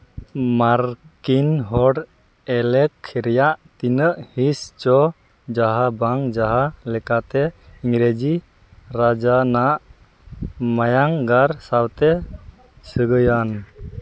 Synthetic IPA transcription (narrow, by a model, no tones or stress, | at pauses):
maɾkinɦɔɽ | ɛlɛkʰːiɾɛjaʔt̪inəʔhist͡ʃɔ | d͡ʒaɦabaŋd͡ʒaɦalɛkat̪ɛiŋɾed͡ʒi | ɾad͡ʒanaʔ | majaŋɡaɾsawt̪ɛ | səɡəjan